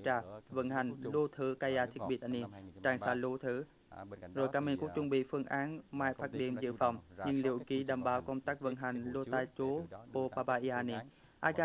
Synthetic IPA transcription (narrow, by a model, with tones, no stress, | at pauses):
t͡ɕaː˧˩və̰˧˥nɦa˨˩jŋ̟lu˧t̪ʰɨ˧˦kaː˧jaː˧t̪ʰi˦˥ət̚ɓḭ˧˩t̪̚ʔa˧ni˧˩t͡ɕaː˧˩ŋsaː˧lu˧˦t̪ʰɨ˧˦ | zo˨˩jkaː˨˦mi˧˩ŋku˧˦ək̚t͡ɕʊ˧ŋ͡mɓḭ˧˨fɨ˧əŋʔaː˨˦nmaː˧˨jfaː˦˥t̚ɗḭ˧˨ənzɨ̰˧˨fa˧˩wŋ͡mɲɨ˧ŋlḭ˨˧˩əwɣi˧˦ɗaː˨˩mɓaː˨˦wkə˧wŋ͡mt̪aː˦˥k̚və̰˧˥nɦa˨˩jŋ̟lo˧t̪aː˧jt͡ɕo˨˦po˧paː˧paː˧ʔi˧aː˧ni˧ | ʔaː˧kaː˧